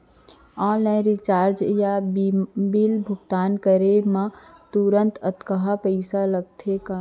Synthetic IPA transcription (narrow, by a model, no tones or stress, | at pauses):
ɔ̃nəjɾit͡ʃaːɾd͡ʒja | bilbʱuɡt̪aːnkəɾemãt̪uɾənt̪ət̪kəɦəpəɪsaləɡ̚t̪ʰeka